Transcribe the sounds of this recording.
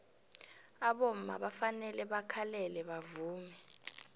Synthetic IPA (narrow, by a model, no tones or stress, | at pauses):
aɓom̩ma̰ɓafanɛlɛɓakʰalɛlɛɓavuːmɛ